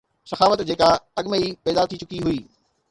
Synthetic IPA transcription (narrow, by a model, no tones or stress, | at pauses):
sɐxaːfət̪d͡ʑeːkaɐɠmeipɛːd̪aːɾt̪ʰit͡ɕʊkiɦʊiː